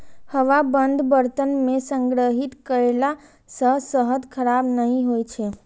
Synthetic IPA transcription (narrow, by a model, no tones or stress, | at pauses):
həʋabənd̪ʱbəɾt̪ənmẽsə̃ŋɡɾəɦit̪kəɾela | səsəɦəd̪kʰəɾabnəɦĩɦojt͡ʃʰe